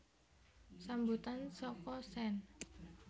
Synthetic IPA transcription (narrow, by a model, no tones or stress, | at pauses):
sambut̪ansɔkɔsɛn